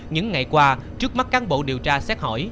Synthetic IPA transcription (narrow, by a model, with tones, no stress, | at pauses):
ɲɨ̰˧˥ŋːa˨˩jkwaː˧t͡ɕɨ˦˥ək̚ma˦˥t̚kaː˨˦nɓo̰˧˨ɗi˨˩əwt͡ɕaː˧sɛ˦˥t̚hɔ̰˧˩j